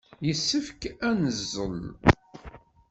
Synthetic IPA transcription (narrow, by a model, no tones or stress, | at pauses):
jəsːəfkænəzːəl